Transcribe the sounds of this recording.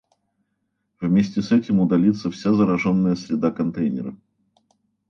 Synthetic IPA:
vmʲesʲtʲɪsɛtʲɪmʊd̪ɐlʲit̪səfsʲazəɾɐʐonːəjəsɾʲɪd̪akɐnt̪ejnʲɪ̰ɾə

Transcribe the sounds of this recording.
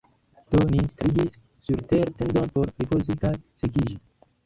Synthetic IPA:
t̪oninst̪ɾiɡisː | uɾt̪eɾt̪end̪onpoɾɾipozit̪asekiʒi

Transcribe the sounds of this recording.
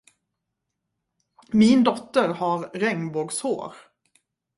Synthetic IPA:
mɪnd̪ɔt̪əɾhɑːɾɾɛŋbɔɡsho̰ːɾ

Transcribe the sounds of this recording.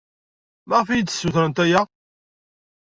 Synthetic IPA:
mæʁfijt̪ːə̥sːuθɾənt̪æjæ

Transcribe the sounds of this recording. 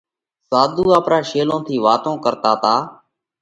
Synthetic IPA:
saːd̪ʱuːaːpɾaːʃeːlõːt̪ʰiːʋaːt̪õːkəɾt̪aːt̪aː

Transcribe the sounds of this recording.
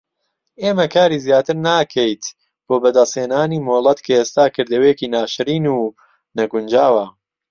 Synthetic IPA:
eːmɐkʰaːɾiːzjaːt̪ɨɾnaːkʰɐjt̪ | b̥oːbɐd̪ɐseːnaːniːmoːlˠɐt̪kʰɐeːst̪aːkɨɾd̪ɐweːkiːnaːʃɨɾiːnuː | nɐɡʊnd͡ʒaːwɐ

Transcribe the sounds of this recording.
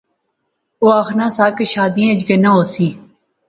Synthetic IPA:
oːaːxnãːsaːkeʃaːd̪iːãːd͡ʒɡənãoːsiː

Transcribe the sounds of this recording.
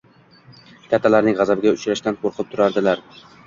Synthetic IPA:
k̪ʲʰat̪ʰːalaɾnɪŋʁɑzabɪɡʲaʊt͡ʃɾaʃt̪anqʰoɾqʰɨp̚t̪ʰʊɾaɾd̪ɪlaɾ

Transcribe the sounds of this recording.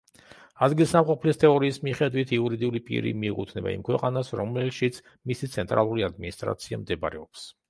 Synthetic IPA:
ad̪ɡilˠsamqʼɔpʰlist̪ʰɛɔɾiːsmiχɛd̪wit̪ʰiuɾid̪iulipʼḭɾḭmiːqʼut̪ʰnɛba̰ḭmkʰwɛqʼanasɾɔmɛlʃit̪sʰ | misit̪sʰɛnt̪ʼɾa̰lˠuɾiad̪minist̪ʼɾa̰t̪sʰia̰md̪ɛba̰ɾɛɔps

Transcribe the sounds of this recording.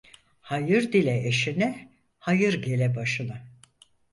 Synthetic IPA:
hajɯɾd̪ilʲɛeʃinɛ | hajɯɾɟe̞lʲɛbaʃɯna

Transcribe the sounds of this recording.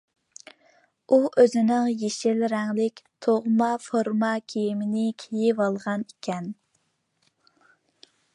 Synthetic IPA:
uʔøzɪnɪŋjeʃɪlɾɛŋlɪkʲt̪ʰoʁmɑfoɾmɑkʲʰejimɪnɪkʲʰejɪvɑlˠʁɑnikʲɛn

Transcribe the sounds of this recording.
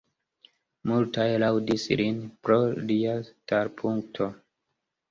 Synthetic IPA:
multajlawdislinpɾo̞liataɾpʰuŋk̚tʰo̞

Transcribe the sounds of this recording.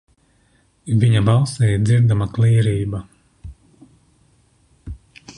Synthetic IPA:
viɲabalˠsɛjd̪ziɾd̪amakliːɾiːba

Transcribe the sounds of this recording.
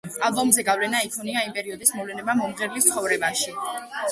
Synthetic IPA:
albɔmzɛɡavlɛnaikʰɔniaimpʼɛɾiɔd̪ismɔvlɛnɛbamɔmʁɛɾlist̪sʰχɔvɾɛbaʃi

